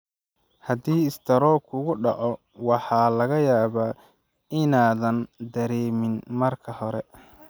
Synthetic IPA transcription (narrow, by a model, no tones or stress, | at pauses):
hɐd̪iːɪst̪ʰɐɾɔːkʰʊɣʊɖɑʕɔ | wɑħɑːlɐɣɐjaːβaː | ɪnaːðɐnd̪ɐɾɛːmɪnmɐrkʰɐhɔɾɛ